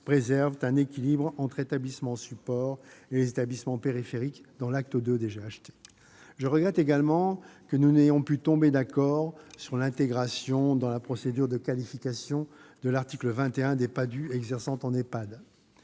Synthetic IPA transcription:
pχezɛʁvt̪ɛ̃nekʲilibʁɑ̃t̪χet̪ablismɑ̃sypɔʁelezet̪ablismɑ̃peʁifeʁikd̪ɑ̃lak̚t̪əd̪ød̪eʒeaʃt̪e̥ | ʒəʁəɡʁɛt̪eɡalmɑ̃kənunejɔ̃pyt̪ɔ̃bed̪akɔʁsyʁlɛ̃t̪eɡʁasjɔ̃d̪ɑ̃lapχɔsed̪yʁd̪əkalifikasjɔ̃d̪əlaʁt̪ikləvɛ̃t̪eɛ̃d̪epad̪yɛɡzɛʁsɑ̃t̪ɑ̃nepad̪

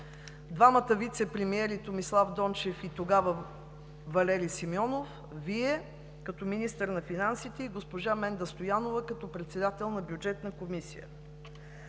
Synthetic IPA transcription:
d̪vamət̪əvit̪sɛpɾɛmiɛɾit̪omislˠafd̪ɔnt͡ʃɛfit̪oɡavə | vɐlɛɾisimiɔnof | viɛ | kɐt̪ɔminist̪əɾnɐfinansit̪ɛiɡospoʒamɛnd̪əst̪ojanovəkɐt̪ɔpɾɛt̪sɛd̪at̪ɛlˠnɐbjud͡ʒɛt̪nəkomisḭjə̰

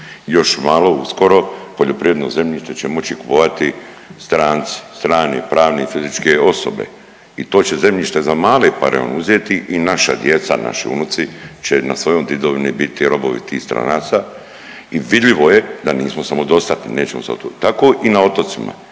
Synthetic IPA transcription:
jo̞ʃmaːlo̞usko̞ɾo̞poʎo̞pɾiʋɾed̪noze̞mʎiʃt̪et͡ɕemo̞t͡ɕiku̥poʋat̪i | st̪ɾaːnt̪si̥st̪ɾaːnḛpɾaːʋneifizit͡ʃke̞o̞so̰be̞̰ | it̪o̞ːt͡ɕe̞ze̞mʎiʃt̪e̞zamaːlepaɾḛo̰nuzjet̪iʔinaʃa̰d̪je̞t̪sa̰na̰ʃḭṵnut̪sit͡ɕena̰sʋo̞jo̞jd̪id̪oʋinibit̪iɾo̞boʋḭt̪iːxst̪ɾa̰naːt̪sa | iʋid̪ʎʲiʋo̞jed̪aniːsmosamo̞d̪o̞st̪at̪nine̞ːt͡ɕemosat̪t̪ako̞ʔinao̞t̪o̞t̪sima̰

